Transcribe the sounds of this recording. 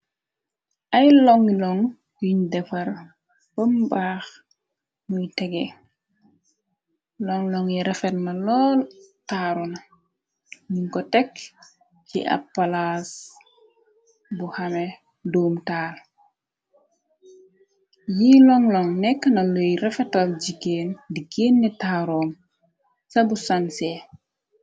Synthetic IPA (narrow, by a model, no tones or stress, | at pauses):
ʔɐjlɔŋlɔŋ | jiɲdɛfɐɾ | bəmbaːx | nujtɛɡɛ | lɔŋlɔŋiɾɛfɛtmɐlɔːltaːɾunɐ | niŋkɔtɛk | t͡ʃḭʔɐ̰pːalas | buhɐme | doːmtaːl | jilɔŋlɔŋnɛkːnɐlojɾɛfɛtɐld͡ʒiɡeːndiɡeːnːitaːɾɔːm | sɐbusanse